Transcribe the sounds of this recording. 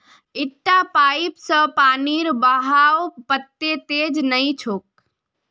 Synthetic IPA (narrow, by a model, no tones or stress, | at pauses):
ɪʈːapaːipsə̃paːniɾbaɦawpət̪ːet̪eːd͡ʒnəĩt͡ʃʰoːk̚